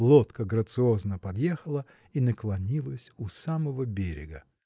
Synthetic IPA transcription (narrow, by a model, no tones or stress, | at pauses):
lˠot̪kəɡɾət̪sɨo̞znəpɐd̪jexəlˠə | inəklˠɐnʲilˠəsʲusaməvəbʲeɾʲɪ̰ɡə